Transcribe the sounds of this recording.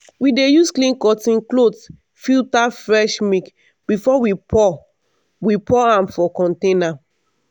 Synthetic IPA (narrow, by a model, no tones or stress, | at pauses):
widejusklĩnkɔtĩnklods | fitafɹɛʃmik | b̥ifɔwipɔ | wipɔãmfɔkɔ̃ntẽna